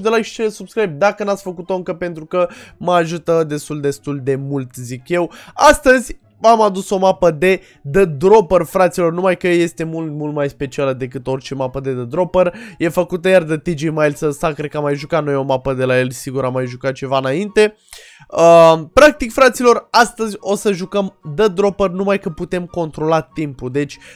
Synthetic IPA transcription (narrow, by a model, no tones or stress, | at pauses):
d̪elaiʃt͡ʃelesubskɾajb̚d̪akənat̪sʲfəkut̪o̞ɨŋkəpe̞nt̪ɾukəməaʒut̪əd̪e̞st̪uld̪e̞st̪uld̪e̞mult̪zikje̞wast̪əzʲ | amad̪uso̞mapəd̪e̞ | d̪əd̪ɾo̞pərfɾat̪silo̞rnumajkəje̞st̪e̞mult̪mult̪majspe̞t͡ʃialəd̪e̞kɨt̪o̞rʲt͡ʃe̞mapəd̪e̞d̪əd̪ɾo̞pərje̞fəkut̪əjard̪ət̪id͡ʒemajlsəsakɾe̞d̪̚kəamajʒukat̪nojo̞mapəd̪e̞laje̞lʲsiɡuɾamːajʒukat̪̚t͡ʃe̞vaɨnaint̪e̞ | əpɾak̚t̪ikfɾat̪silo̞rast̪əzʲo̞səʒukəmd̪əd̪ɾo̞pərnumajkəput̪e̞mko̞nt̪ɾo̞lat̪impud̪e̞t͡ʃʲ